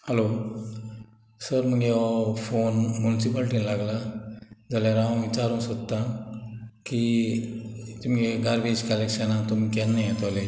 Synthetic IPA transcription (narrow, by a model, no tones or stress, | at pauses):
həlo | səɾm̤əɡefonmunisipalʈinlaɡlad͡zalaɾãʋit͡ɕaɾũːsɔkt̪ːa | ki | t̪imeɡaɾbed͡ʑkalekɕanat̪umikãnːijat̪ɔle